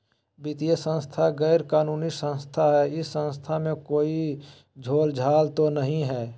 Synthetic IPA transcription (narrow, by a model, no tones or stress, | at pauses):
bɪt̪ijesə̃nst̪ʰaɡɛːɾkaːnuːnisə̃nst̪ʰaɦɛɪsːə̃nst̪ʰamẽkoːi | d͡ʒʱoːld͡ʒʱaːlt̪onəɦĩɦɛː